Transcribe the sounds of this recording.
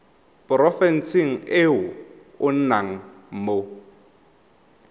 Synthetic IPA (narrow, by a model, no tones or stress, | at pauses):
pʊɾɔfɛn̩sɪŋ̩ɪʊ | ʊn̩naŋ̩ | m̩mo